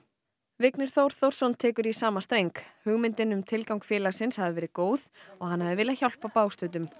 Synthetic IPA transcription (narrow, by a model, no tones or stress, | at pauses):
vɪknɪɾ̥θowɾ̥θowɾ̥sɔwnt̪ʰɛːkʏɾisaːmast̪ejŋkhʏɣmɪnt̪ɪnʏmt̪ʰɪlkawŋkfjɛːlaɣsɪnshavðɪvɛːɾɪðkoːwθɔɣhanːhaðɪvɪːlaçawl̥pawpaːwst̪œːt̪ʏm